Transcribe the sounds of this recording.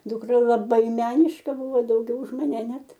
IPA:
dʊˈkrɐ lˠɐˈbɐɪ ˈmʲæːnʲɪʃkɐ ˈbʊʋoː dɐʊˈɡʲɛʊ ʊʃ mɐˈnʲɛ ˈnʲɛt

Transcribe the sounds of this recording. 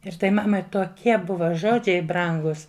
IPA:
ɪr ˈtɐɪ ˈmɑːmɐɪ toːˈkʲiɛ ˈbʊʋɐ ˈʒoːd͡ʒʲɛɪ ˈbrɐŋɡʊs

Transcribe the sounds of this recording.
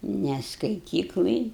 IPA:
nʲɛ skɐɪˈtʲiːklˠɐj

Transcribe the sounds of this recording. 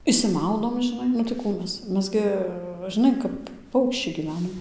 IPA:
ɪʃʲsʲɪˈmɐʊdoːm ʒʲɪˈnɐɪ nʊ tɐɪ ˈkuː ˈmʲɛs ˈmʲɛs ɡʲɪ ʒʲɪˈnɐɪ kɐp ˈpɐʊkʃʲt͡ʃʲɛɪ ɡʲiːˈʋʲæːnoːm

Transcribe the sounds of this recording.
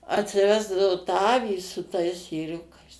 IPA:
ɐtʲsʲɪˈʋʲæːzdɐʋoː tɑː ˈɑːʋʲiː sʊ tɐɪs eːˈrʲʊkɐɪs

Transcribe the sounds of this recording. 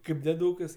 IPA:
ˈkɐɪp dʲeːˈduːkɐs

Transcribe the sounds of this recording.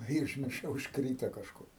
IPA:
ɪ ʊʒʲmʲɪrˈʃɐʊ ʊʃkˈrʲiːtoː kɐʃˈkʊr

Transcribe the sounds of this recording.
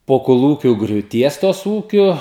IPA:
poː koːˈlˠuːkʲuː ɡrʲuːˈtʲiɛs ˈtoːs ˈuːkʲʊ

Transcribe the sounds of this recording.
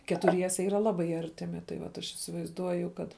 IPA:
kʲɛtʊˈrʲiɛsʲɛ ˈiːrɐ ˈlˠɑːbɐɪ ˈɐrʲtʲɪmʲɪ tɐɪ ˈʋɐt ɐʃ ɪsʲɪʋɐɪzˈduɔjʊ ˈkɐt

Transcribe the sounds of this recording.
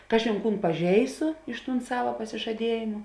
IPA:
ˈkɑːʒʲeːn ˈkuːn pɐˈʒʲɛɪsʊ ɪʃ tuːn ˈsɑːʋɐ pɐsʲɪʒɐˈdʲiɛjeːmʊ

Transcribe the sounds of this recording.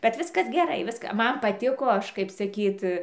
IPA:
bʲɛt ˈʋʲɪskɐs ɡʲɛˈrɐɪ ˈʋʲɪskɐ ˈmɐn pɐˈtʲɪkoː ˈɐʃ kɐɪp sɐˈkʲiːt

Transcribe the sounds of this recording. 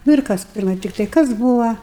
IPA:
nʊ ɪr ˈkɐs ˈpʲɪrmɐɪ ˈtʲɪktɐɪ ˈkɐs ˈbuːʋɐ

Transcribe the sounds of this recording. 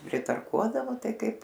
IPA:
pʲrʲɪtɐrˈkuɔdɐʋoː ˈtɐɪ ˈkɐɪp

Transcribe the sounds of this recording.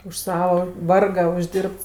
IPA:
ʊʃ ˈsɑːʋɐ ˈʋɐrɡɐ ʊʒʲˈdʲiːrpts

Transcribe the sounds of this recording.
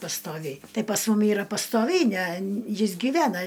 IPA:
pɐstoːˈʋʲɛɪ ˈtɐɪ pɐs ˈmʊm ˈiːrɐ pɐstoːˈʋʲɛɪ nʲɛ ˈjɪs ɡʲiːˈʋʲæːnɐ

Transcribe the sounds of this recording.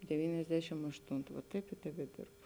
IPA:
dʲɛˈʋʲiːnʲɛzʲdʲɛʃʲɪm ɐʃˈtʊntʊ ʋɐ ˈtɐɪp ɪr tʲɛbʲɛˈdʲɪrbʊ

